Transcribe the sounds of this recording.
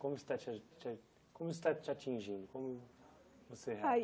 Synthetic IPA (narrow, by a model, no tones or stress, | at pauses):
kõmʊse̥t̪at͡ʃat͡ʃ | kõmʊse̥t̪at͡ʃɪat͡ʃĩʒĩd̪ʊkõmʊvoseɦa